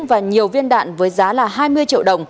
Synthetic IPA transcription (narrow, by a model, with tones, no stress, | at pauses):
ŋ͡mvaː˨˩ɲi˨˩əwvi˧ənɗa̰ː˧˨nvəː˨˦jzaː˨˦laː˨˩ɦaː˧jmɨ˧əjt͡ɕḭ˧˨wɗə˨˩wŋ͡m